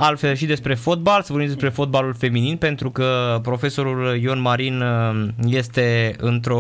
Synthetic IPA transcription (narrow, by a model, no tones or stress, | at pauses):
alfe̞lʃid̪e̞spɾe̞fo̞t̪̚balsvobid̪es̬pɾe̞fo̞t̪̚balulfe̞mininpe̞nt̪ɾukəpɾo̞fe̞so̞ɾuljonmaɾinje̞st̪e̞ɨnt̪ɾo̞